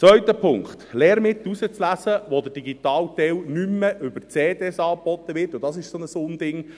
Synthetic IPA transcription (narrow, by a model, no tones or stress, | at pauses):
t͡sʋœɥt̪əpʰʊŋkχt̪lɛːɾmɪt̪ːusət͡slæsəʋod̥̪əd̥iɡitɑːlt̪ɛwnymːəʔʏbəɾt͡seːd̪ɛsɑːb̥ɔt̪ːəʋɪrtːʊd̥̪ɑsɪʃsonəsʊnd̪ɪŋ